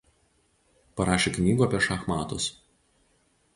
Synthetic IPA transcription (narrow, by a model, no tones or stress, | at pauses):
pɐɾɑːʃʲeːknʲiːɡuɐpʲiɛʃɐxmɑːt̪ʊs